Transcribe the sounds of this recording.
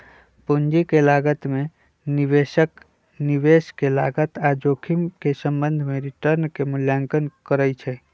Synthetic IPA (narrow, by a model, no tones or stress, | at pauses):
pund͡ʒikelaɡət̪mẽ | niʋeʃək | niʋeːskelaːɡət̪ad͡ʒoːkʰimkesə̃mbənd̪ʱmẽɾɪʈəɾnkemʊljaŋkənkəɾəjt͡ʃʰɛ